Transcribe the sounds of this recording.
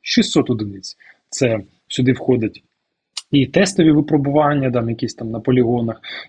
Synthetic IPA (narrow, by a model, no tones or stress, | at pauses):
ʃist̪ːɔt̪ɔd̪ɪnɪt͡sʲ | t̪sɛ | sʲʊd̪ɪwxɔd̪ʲɐtʲ | it̪ɛst̪ɔʋʲiʋɪpɾɔbʊʋɑnʲːɐd̪ɑnjɐkʲisʲt̪ɑmnɐpɔlʲɪɦɔnɐx